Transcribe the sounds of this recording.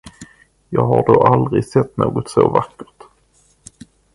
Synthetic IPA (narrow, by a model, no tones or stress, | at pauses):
jɑːɡɦaɖoʔald̪ɾɪɡsɛt̪ːnoːɡɔt̪sovakːəʈ